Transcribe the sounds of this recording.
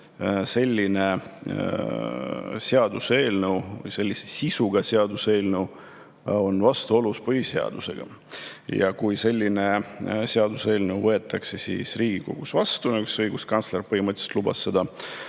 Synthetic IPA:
se̞lʲːine̞ | seɑd̪use̞ːlnewvɯ̰jse̞lʲːisesisuɡ̥ɑseɑd̪use̞ːlnew | o̞nvɑst̪uo̞luspɤɦiseɑ̰d̪̥use̞̰ɡ̥ɑ̰ | jɑ̰kujse̞lʲːine̞seɑd̪use̞ːlnewvɤe̞t̪ːˑɑkse̞sḭːsriːɡ̥iko̞̰ɡ̥usvɑst̪unyksɤjɡ̥uskɑnt̪slerpɤɦhimət̪se̥t̪lubɑ̰sːe̞d̪̥ɑ

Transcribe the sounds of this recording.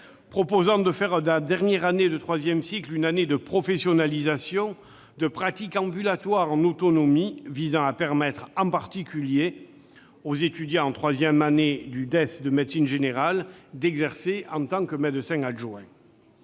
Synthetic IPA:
pχɔpozɑ̃d̪əfɛʁd̪ad̪ɛʁnjɛʁaned̪ət̪χwazjɛmsiklynaned̪əpχɔfɛsjɔnalizasjɔ̃ | d̪əpχat̪ikɑ̃bylat̪waʁɑ̃not̪ɔnɔmivizɑ̃apɛʁmɛt̪χɑ̃paʁt̪ikʲylje | ozet̪yd̪jɑ̃ɑ̃t̪χwazjɛmaned̪yd̪ɛstd̪əmɛd̪sinʒeneʁald̪ɛɡzɛʁseɑ̃t̪ɑ̃kəmɛd̪əsɛ̃ŋaʒwɛ̃

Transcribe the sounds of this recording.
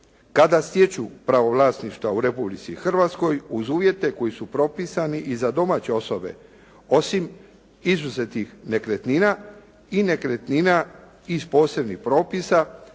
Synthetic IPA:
kad̪ast̪jet͡ɕupɾaʋo̞ʋlaːsniʃt̪ʋauɾe̞publit̪sixr̩ʋat̪sko̞juzuːʋje̞t̪e̞ko̞jisupɾo̞pisaniʔizad̪o̞maːt͡ɕe̞o̞so̞be̞̰ | o̞sim | izuzet̪nixne̞kɾet̪nina | ine̞kɾet̪nina | ispo̞ːse̞bnixpɾo̞ːpisa

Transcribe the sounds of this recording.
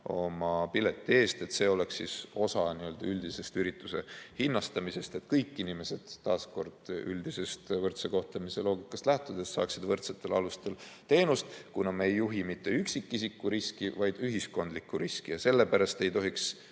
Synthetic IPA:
o̞mɑpile̞t̪ːie̞ːst̪e̞t̪se̞o̞leksːiso̞sɑniø̞ld̪̥ɑyld̪ise̞st̪yɾit̪ːˑuse̞̰hinːɑst̪ɑmise̞st̪e̞t̪kɤjkːˑinime̞se̞d̪̥ːɑːsko̞rd̪̥yld̪̥ise̞st̪vɤrt̪seko̞ht̪lɑmise̞lo̞ːɡikːˑɑst̪læht̪ud̪̥estːsɑ̰ːksid̪vɤrt̪set̪ːˑe̞lɑ̰lust̪e̞lt̪e̞ːnust̪kunɑmeejːuɦimit̪ːe̞yksikːisikːuɾiskivɑjd̪̥yɦisko̞nd̪likːˑuɾiskijɑse̞lːe̞pæɾɑst̪e̞jt̪o̞ɦiks

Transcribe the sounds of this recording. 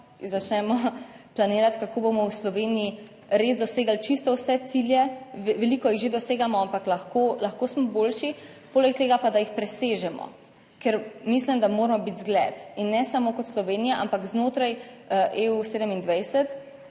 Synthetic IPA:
zat͡ʃnɛmɔplaneːɾat̪kakoːbomɔwslɔʋeːniji | ɾeːzd̪ɔseːɡalt͡ʃist̪ɔwsɛt̪siljɛʋɛliːkɔjiɣʒed̪ɔseːɡamɔampaklaxkolaxkoːsmɔboːlʃi | poːlɛk̚t̪eːɡapad̪ajixpɾɛseːʒɛmɔ̰ | kɛɾmislimd̪amoːɾmɔbit̪zɡlɛt̪inːɛsamoːkɔt̪slɔʋeːnijaʔampakznoːt̪ɾajʔeuseːd̪əmind̪ʋajsɛt̪

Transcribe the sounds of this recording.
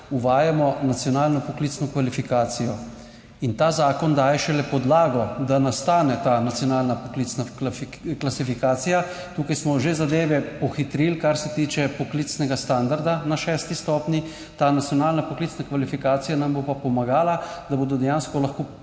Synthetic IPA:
uʋajamɔnat̪sjɔnaːlnɔpɔkliːsnɔkʋalifikaːt̪sijɔ | int̪aːzaːkɔnd̪aːjɛʃɛlɛpɔd̪laːɡɔd̪anast̪aːnɛt̪aːnat̪sjɔnaːlnapɔklit̪snak | klasifikaːt̪sijat̪uːkajsmɔʒezad̪eːʋɛpɔxit̪ɾilkaɾsɛt̪iːt͡ʃɛpɔklit̪snɛɡast̪and̪aɾd̪anaʃɛst̪ist̪ɔːpnji | t̪aːnat̪sjɔnaːlnapɔkliːtsnakʋalifikaːt̪sijanambopapɔmaɡaːlad̪aboːd̪ɔd̪ɛjanskɔlaxkoː

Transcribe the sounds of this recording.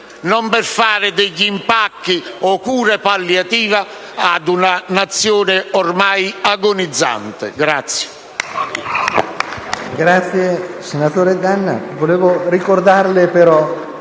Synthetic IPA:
nɔmpɪrfaːɾɪd̪ɛʎːimpakːiɔkuːɾɛpalːjat̪iːva | ad̪unanat̪sːjoːnɪɔrmajaɡonid̪zːa̰nt̪ɪ̰ɡɾat̪sːje̥ | ɡɾat̪sjesenat̪oːɾed̪anːa̰voleːvʊrikord̪arlɪpeɾɔ

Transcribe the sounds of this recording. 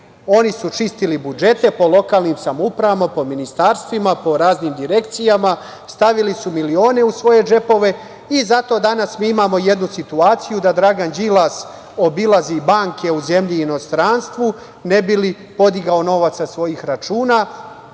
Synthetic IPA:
o̞nisut͡ʃist̪ilibud͡ʒe̞t̪e̞po̞lo̞kaːlniːmsamupɾaʋamapo̞minist̪aːɾst̪ʋimapo̞ɾaːzniːmd̪iɾe̞kt̪sijama | st̪aʋilisumilio̞ːne̞usʋo̞je̞d͡ʒe̞po̞ʋe̞ | izat̪o̞d̪anasmiːimaːmo̞jed̪nusit̪uaːt̪sijud̪ad̪ɾaɡand͡ʒilˠas | o̞bilˠazibaːŋke̞uze̞mʎiːno̞st̪ɾanst̪ʋu | ne̞bili | po̞d̪iɡaono̞ʋat̪sasʋo̞jixɾat͡ʃuːna

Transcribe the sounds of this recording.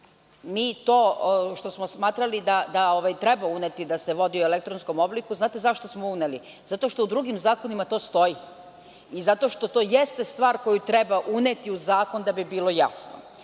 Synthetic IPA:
miːt̪oːʃt̪o̞smo̞smaːt̪ɾalid̪ad̪ao̞ʋajt̪ɾe̞baunet̪id̪aseʋo̞d̪iuelek̚t̪ɾonsko̞mo̞blikuznaːt̪e̞zaʃt̪o̞smouneli | zat̪o̞ʃt̪oud̪ɾuɡimzaːkonimat̪o̞ːst̪o̞ji | izat̪o̞ʃt̪o̞t̪o̞ːjest̪e̞st̪ʋaːɾko̞jut̪ɾe̞baʔunet̪iuzaːko̞nd̪abibiːlo̞ja̰sno̰

